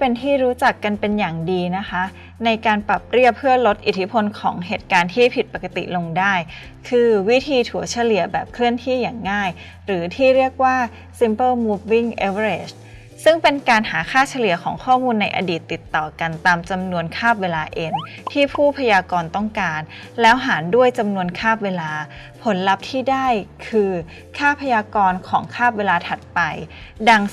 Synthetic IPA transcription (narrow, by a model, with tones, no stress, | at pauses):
pe˧nt̪ʰiː˥˩ɾuː˦˥t͡ɕa˨˩kːa˧npe˧njaː˨˩ŋdiː˧na˦˥kʰa˦˥ | na˧jkaː˧npɾa˨˩p̚ɾi˥˩əpʰːɯ˥˩əlo˦˥t̪̚ʔi˨˩t̪ʰːi˦˥pʰo˧nkʰɔː˩˦ŋɦeː˨˩t̪̚kaː˧nt̪ʰiː˥˩pʰi˨˩t̪̚pa˨˩ka˧t̪ḭ˨˩lo˧ŋdaː˥˩j | kʰɯː˧wi˦˥t̪ʰiː˧t̪ʰu˩˦ət͡ɕʰa˧li˨˩əbɛː˨˩p̚kʰɾɯ˥˩ənt̪ʰi˥˩jaː˨˩ŋːaː˥˩j | ɾɯː˩˦t̪ʰiː˥˩ɾi˥˩ək̚waː˥˩ | si˦˥mpɤː˥˩muː˦˥p̚wi˥˩ŋʔe˦˥wɾe˨˩s | sɯ˥˩ŋpe˧nkaː˧nhaː˩˦kʰaː˥˩t͡ɕʰa˧lɯ˨˩˦ɐkʰɔː˩˦ŋkʰɔː˥˩muː˧nːa˧jʔa̰˧diː˨˩t̪ːi˨˩t̪ːɔː˨˩ka˧nt̪aː˧mt͡ɕa˧mnu˧ənkʰaː˥˩p̚weː˧laː˧ʔeː˧nt̪ʰiː˥˩pʰuː˥˩pʰa˧jaː˧kɔː˧nt̪ɔ˥˩ŋkaː˧n | lɛː˦˥wɦaː˩˦ndu˥˩əjt͡ɕa˧mnu˧ənkʰaː˥˩p̚weː˧laː˧ | pʰo˩˦nla˦˥p̚t̪ʰiː˥˩daː˥˩jkʰɯː˧ | kʰaː˥˩pʰa˧jaː˧kɔː˧nkʰɔː˩˦ŋkʰaː˥˩p̚weː˧laː˧t̪ʰa˨˩t̪̚pa˧jda˧ŋ